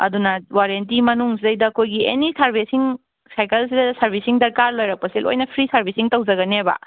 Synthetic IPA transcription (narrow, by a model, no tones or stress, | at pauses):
ɐ̰dunɐwaɾent̬imɐnuŋsidɐjdɐːkʰojɡiḛnisɐɾbʱesiŋ | sajkɐls̬idɐsɐɾbʱisiŋdɐɾkaɾlojɾɐk̚pɐsilʔo̰jnɐpʰɾisɐɾbʱisiŋtɐwd͡ʒɐɡɐnebɐ̰